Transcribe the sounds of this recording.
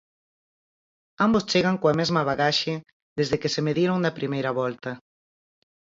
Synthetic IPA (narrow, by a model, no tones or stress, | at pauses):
ambost͡ʃeɣaŋkoamezmɐβ̞aɣaʃe | ðezðekesemeðiɾoŋd̪ɐpɾimejɾɐβɔlt̪ɐ